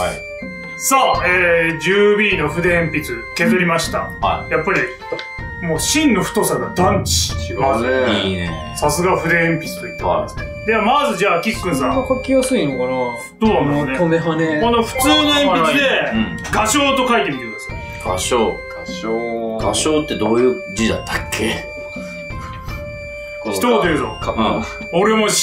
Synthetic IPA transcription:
ai | saeːd͡ʑɨːbʲiːno̞ɸɯ̟d̪eẽmpʲit͡sɨ | ke̞zɨɾʲimaɕi̥t̪a̰hajapːaɾʲi | moːɕĩnːo̞ɸt̪o̞saɡad̪ãɲt͡ɕi̥ɕioi | sasɨɡaɸɯ̟d̪e̞ẽmpʲit͡sɨ̥t̪oit̪ːeã̰d̪esɨ̥ne | jamazɨd͡ʑaːkʲikːɯ̟̃ɰ̃sãkakʲiosɨinokana | soːnannneoneɦanekonoɸɯ̟̥t͡sɨːnoẽmpit͡sɨd̪ẽɡaɕo̞ːt̪o̞kait̪e̞mʲit̪e̞ɾɯ̃nesɨjo | ɡ̥aɕoːɡ | oɡaɕo̞ːt̪ːe̞d̪oːjɯ̟ː | d͡ʑid̪a̰t̪ʰːakʰːe | çit̪oɡat̪eɾɯɕo̰ | oɾe̞mo̞

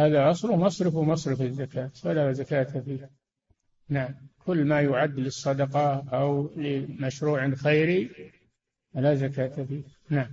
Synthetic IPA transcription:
haːðaʔɑsˤlʊmɑsˤɾɪfwmɑsˤɾɪfɪzːakaːt̪walazakaːt̪afiːh | naʕamkʰʊlːmajʊʕad̪ːlɨsˤːɑd̪ɑqɑʔawlɪmaʃɾuːʕanxeːɾi | alazakaːt̪afiːh | naʕam

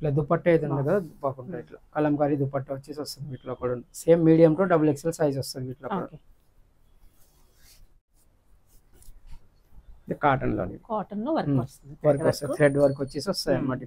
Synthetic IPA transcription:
ʈlɐd̪upɐʈːejd̪unːɐɡ̪ɐbaːkuɳʈaiʈla̰kɐlɐmkaːɾid̪upɐʈːɐʋɐt͡ʃːiːsɔst̪ɐnʋiːʈloːkuːɽɐseːmːiːɽijɐmʈoːɖɐbulekselsaːjzɔst̪ɐʋiːʈloːkṵːɽɐ̰ | id̪ikaːʈɐnlo̰ːnḭd̪aːʈɐnloʋɐɾkɔsuiʋɐɾkɔst̪ɐt̪ʰɾeɖʋɐɾkɐt͡ʃːisɔst̪ɐmːɐʈi

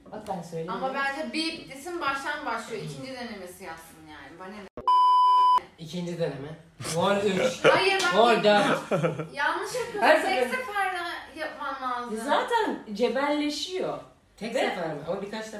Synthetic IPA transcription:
bakbænsøjlʲeamabænd̪ɛbibit̪ʰesinbaʃt̪ʰanbaʃlˠɯjoiicʰind͡ʒid̪ø̞nemesijapsʰɯnjaːnibaned̪o | icʰind͡ʒid̪ønemɛ | volyt͡ʃajɯɾbavolʲd̪a | jalˠnɯʃjakɯaseaɛpʰaɾlajapmanmad̪ɯzaːt̪ʰænd͡ʒe̞vælʲːe̞ʃijo | t̪ʰɛc̚d̪eafanmaamabikʰat͡ʃt̪a

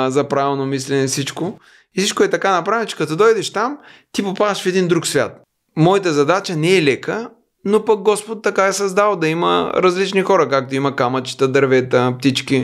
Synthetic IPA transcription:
zɐpɾavɛlˠnomislɛnɛfsit͡ʃko | ifsit͡ʃkoɛt̪ɐkanɐpɾavɛnt͡ʃɛ̥kɐt̪od̪ɔjd̪ɛʃt̪am | t̪ipopad̪ɐʃfɛd̪ind̪ɾuksvʲa̰t̪̚ | mɔit̪əzɐd̪at͡ʃənɛɛlɛkə | nopɐk̚ɡɔspot̪ːɐkaɛsɐzd̪alˠd̪ɐimə̰ɾɐzlit͡ʃnixɔɾɐkak̚t̪oimɐkamɐt͡ʃi̥t̪əd̪ɐɾvɛt̪əpt̪it͡ʃkʲi

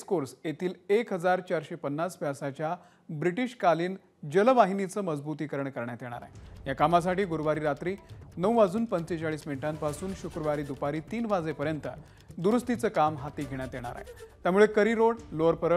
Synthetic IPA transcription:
skoɾsjet̪ʰiːlekɦəd͡zaɾt͡ɕaɾɕepənːaspjasat͡ɕja | bɾiʈiɕkaliːn | d͡ʑələʋaɦinit͡səːməd͡zbut̪iːkəɾəɳkəɾɳjat̪eɽ̃a̰ɾa̰ɦejakamas̬aʈiːɡuɾʋaɾiːɾat̪ɾiːnəwad͡zuːnpənt͡set͡ɕaɭiːsminʈampasuːnɕukɾəʋaɾiːd̪upaɾiːt̪iːnʋad͡zepəɾjənt̪ə̰ | d̪uɾust̪it͡səːkamɦat̪iːɡʱeɳ̃jat̪eɽ̃a̰ɾa̰ɦḛt̪jamuːɭekəɾiːɾoɽloəɾpəɾə

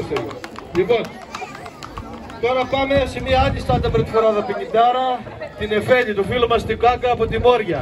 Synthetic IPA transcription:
elipo̞n | t̪o̞ɾɐpɐmesemiɐɐd̪ist̪ɐt̪ɐpɾet̪ifoɾɐðɐpiɲid̪ɐɾɐ | t̪inefe̞ʎit̪ufilomɐst̪iɡɐkɐːpo̞t̪imo̞ɾʝɐ

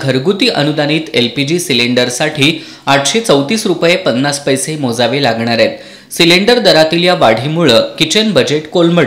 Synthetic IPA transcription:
ɡʱəɾɡut̪iːʔənud̪añiːt̪elpid͡ʑiːsileɳɖəɾsaʈʰiː | aʈʰɕet͡səwt̪iːsɾupjepənːaspəjsemod͡zaʋelaɡɳ̃aɾet̪ | sileɳɖəɾd̪əɾat̪iːljaʋaɽ̤iːmuɭəkit͡ɕənbəd͡ʑeʈkolməɽ

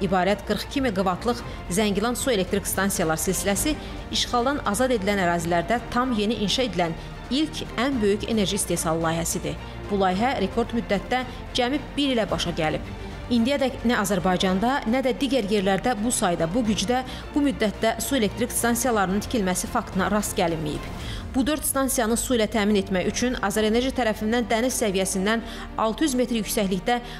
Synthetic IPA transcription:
ibɑːɾæt̪ɡ̥ɯɾχcʰimiɡɯvɑt̪ʰlˠɯχ | zæɲɟilˠɑnsue̞le̞k̚t̪ɾikst̪ɑnsijɑlˠɑɾsilsilæsi | iʃχɑlˠd̪ɑnɑzɑd̪e̞d̪ilænæɾɑːzilæɾd̪æt̪ʰɑmje̞niʔinʃɑe̞d̪ilæn | ilcʰænbø̞jycʰe̞̰ne̞ɾʒiːst̪e̞hsɑlˠɯlˠɑːjɦæsid̪i | b̥ulˠɑːjɦæɾe̞kʰo̞ɾd̪myd̪ːæt̪d̪æ | d͡ʒæmib̚b̥iɾilæbɑʃɑɟælḭb̥ | ind̪ijæd̪æcnæɑzæɾbɑjd͡ʒɑnd̪ɑnæd̪æd̪iɟæɾje̞ɾlæɾd̪æbusɑjd̪ɑbuɟyd͡ʒd̪æ | b̥umyd̪ːæt̪̚d̪æsue̞le̞k̚t̪ɾikst̪ɑnsijɑlˠɑɾɯnɯnt̪ʰi̥cʰilmæsifɑkt̪ʰɯnɑɾɑst̪ɟælinmḭjḭb̥ | b̥ud̪ø̞ɾd̪st̪ɑnsijɑnɯsuilæt̪ʰæːmine̞t̪mæçyt͡ʃʰynɑzɑɾe̞ne̞ɾʒit̪ʰæɾæfind̪ænd̪ænizsævijæsind̪æn | ɑ̰lˠt̪ʰɯjyzme̞t̪ɾjycsæçliçd̪æ

